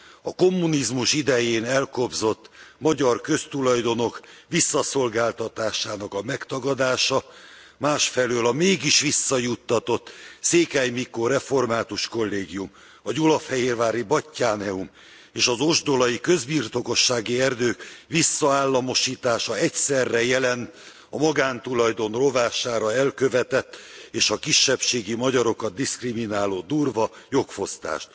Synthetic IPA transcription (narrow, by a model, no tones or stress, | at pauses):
ɒko̞mːunizmuʃid̪ɛjeːnɛlko̞bzo̞t̪ːmɒɟɒrkø̞st̪ulɒjd̪o̞no̞kʋisːɒso̞lɡaːlt̪ɒt̪aːʃaːnɒkɒmɛkt̪ɒɡɒd̪aːʃɒ | maːʃfɛløːlɒmeːɡiʃʋisːɒjut̪ːɒt̪o̞t̪ːseːkaːjmikoɾɛfo̞rmaːt̪uʃko̞lːeːɡijum | vɒɟolɒfhɛɦeːrvaːɾibɒcːaːnɛum | eːʃɒzo̞ʒd̪o̞lɒjikø̞zbiːrt̪o̞ko̞ʃːaːɡiɛrd̪øːkʋisːɒaːlːɒmo̞ʃiːt̪aːʃɒɛcsɛrːɛjɛlɛnt̪ | ɒmɒɡaːnt̪ulɒjd̪o̞nro̞vaːʃaːɾɒɛlkø̞vɛt̪ɛt̪ːeːʃɒkiʃːɛpʃeːɡimɒɟɒɾo̞kɒd̪̚ːiskriminaːloːd̪uːrvɒjo̞kfo̞st̪a̰ːʃt̪